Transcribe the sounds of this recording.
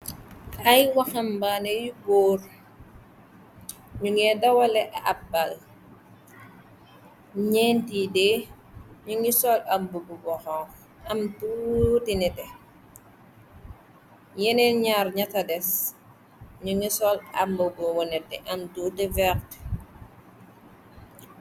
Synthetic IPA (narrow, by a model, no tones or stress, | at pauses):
ajwaxambanejuboːɾ | ɲuŋɛdawalɛʔaabal | ɲɛntide | ɲuŋisɔlambububɔxɔ | amtutinɛtɛ | jɛnɛɲaɾɲatadɛs | ɲuŋisɔla̰mbɔbɔwɔnɛtːɛ̰ʔamtudɛvɛkt